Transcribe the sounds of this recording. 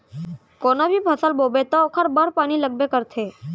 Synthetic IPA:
konabʱibʱəsalbobet̪oːkʰəɾbəɾpañiləɡ̚bekəɾt̪ʰe

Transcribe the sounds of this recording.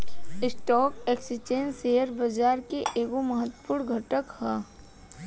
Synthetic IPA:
ɪsʈɔːkeksit͡ʃeːnsejəɾbɐd͡ʒaːɾkeʔeːkomɐɦət̪ːpuːɽɡʱəʈəkhɛː

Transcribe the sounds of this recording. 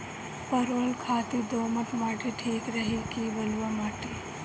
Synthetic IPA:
pɐɾoːlkʰaːt̪id̪oːmət̪maːʈiʈʰiːkɾɐɦikibɐlʋamaːʈi

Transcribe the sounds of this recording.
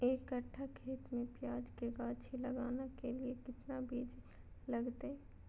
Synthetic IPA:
eːkəʈʰːakʰeːt̪mẽpjaːd͡ʒkeɡaːt͡ʃʰilɐɡaːnekeliekɪt̪nabiːd͡ʒ | lɐɡt̪e

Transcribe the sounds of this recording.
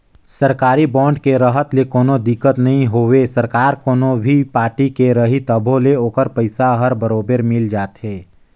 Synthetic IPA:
səɾkaːɾibɔ̃ːɳɖkeɾəɦət̪lekoːnod̪ɪkːət̪nɐɦĩɦoːwesəɾkaːɾkoːnobʱipaːɾʈikeɾəɦit̪əbʱõleoːkəɾpəɪsaɦəɾbəɾoːbəɾmɪld͡ʒaːt̪ɦeː

